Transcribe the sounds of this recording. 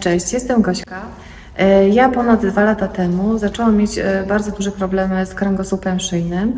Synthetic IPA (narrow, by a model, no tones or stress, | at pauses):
t͡ʂɛɕt͡ɕjɛst̪ɛmɡɔɕka | japɔnad̪d̪valat̪at̪ɛmuzat͡ʂɔwamʲːjed͡ʑbaɾd̪zɔd̪uʐɛpɾɔblɛmɘskɾɛŋɡɔsupɛmʂɘjnɘm